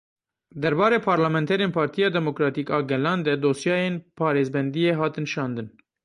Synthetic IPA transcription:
d̪ɛɾbɑːɾeːpʰɑːɾlamɛnt̪ʰɛɾeːnpʰɑːɾt̪ʰijɑːd̪ɛmokɾɑːt̪iːkɑːɡɛlɑːnd̪ɛd̪oːsjɑːjeːnpʰɑːɾeːzbɛnd̪ijeːɦɑːt̪ɨnʃɑːnd̪ɨn

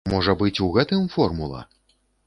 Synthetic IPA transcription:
mɔʐɐbɨt͡sʲuɣɛt̪ɨmfɔrmulˠɐ̰

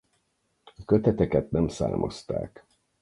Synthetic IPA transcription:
ɒkøt̪ɛt̪ɛkɛt̪̚nɛmsa̰ːmʔo̞̰st̪a̰ːk

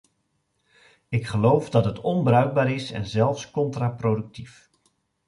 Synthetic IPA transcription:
ɪkχəlowfdɑtɦətʰɔnbrœɥɡ̚baːɾɪsɛ̰nzɛlˠfskɔntraprowdɵk̚tif

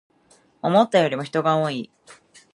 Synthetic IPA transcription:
o̞mo̞t̪ːajo̞ɾʲimo̞çi̥t̪o̞ɡaoi

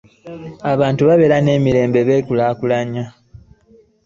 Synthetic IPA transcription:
aβaːntuβaβe̞ɾane̞ːmiɾe̞ːmbe̞βe̞ːkulakulaɲa

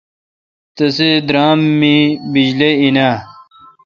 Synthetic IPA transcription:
t̪ɐsed̪ɾaːmːibid͡ʑleinaː

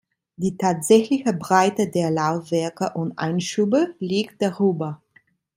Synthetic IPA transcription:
d̥iːtʰaːtz̥ɛçlɪçəbʁaɪtədeːɐlaʊfv̥ɛɐkəʔʊntʔa̰ɪnʃuːbəliːk̚t̚d̥aʁyːbɐ

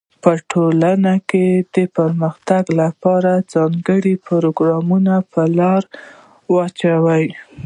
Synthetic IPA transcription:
pəʈʰolanaked̪̥əpəɾməxt̪aɡlapɑɾad͡zɑŋɡəɽipoɾoɡɾɑmunapʰəlɑɾ | wɑt͡ʃawəj

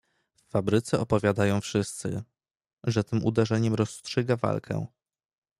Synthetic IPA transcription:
fːabɾɘt̪sɛʔɔpɔvʲjad̪ajɔ̃w̃fʂɘst̪sɘ̰ | ʐɛt̪ɘmʔṵd̪ɛʐɛɲɛmɾɔstʂɘɡava̰lkʰɛ̰̃

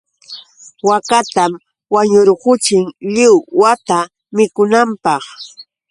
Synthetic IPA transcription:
wakat̪am | waɲʊɾɢʊt͡ʃɪŋʎɪwwat̪a | mɪkʊnampɑχ

